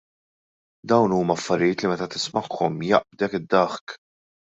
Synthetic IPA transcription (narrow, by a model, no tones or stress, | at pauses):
d̪ɐwnuːmɐɐfːɐɾɪjɪːt̪limɛt̪ɐt̪ɪ̥smɐkʰːɔmjɐ̰ʔb̚d̪ɛkɪd̪ːɐħk